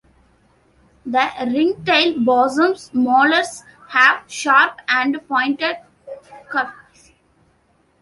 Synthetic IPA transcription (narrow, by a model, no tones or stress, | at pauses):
d̪əɾɪ̃ŋʈeɪlbɔːzə̃msmɔːləɾs | hæʋʃaːɾpæ̃ɳɖpɔ̃ɪ̃ɳʈeɖ | kʌp